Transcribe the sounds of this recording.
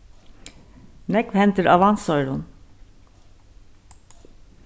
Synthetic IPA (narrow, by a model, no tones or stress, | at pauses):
nɛkʋhɛnt̪əɾɑʋɑnsɔʏɾʊn